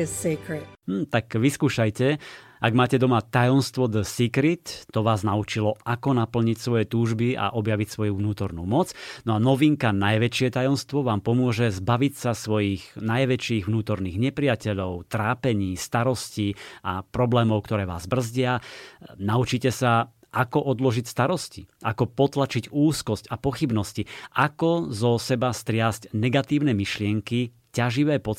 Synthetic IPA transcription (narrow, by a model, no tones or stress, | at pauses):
ɪz̥sekʰɹɪt̚mm̩ːt̪akʋiskuːʃajcɛ | aɡmaːcɛd̪ɔmat̪ajɔnst̪ʋɔd̪əsikɾit̪ːɔʋaːznaut͡ʃilɔʔakɔnapl̩ɲicsʋɔjɛt̪uːʒbiʔa̰ʔɔbjaʋicsʋɔjuʋnuːt̪ɔɾnṵːmɔt͡snɔanɔʋiŋkanajʋɛt͡ʃɪɛt̪ajɔnst̪ʋɔʋaːmpɔmʊɔʒɛzbaʋicsasʋɔjiɣnajʋɛt͡ʃiːɣʋnuːt̪ɔɾniːɣɲɛpɾɪacɛʎɔʊt̪ɾaːpɛɲiːst̪aɾɔsciapɾɔblɛːmɔʊkt̪ɔɾɛːʋa̰ːzbr̩zɟɪanaut͡ʃicɛsa | ʔakɔʔɔd̪lɔʒicst̪aɾɔscḭʔakɔpɔt̪lat͡ʃiɟuːskɔscapɔxibnɔsciakɔzɔsɛbast̪ɾɪazcnɛɡat̪iːʊnɛːmiʃlɪɛŋki | caʒiʋɛːpɔ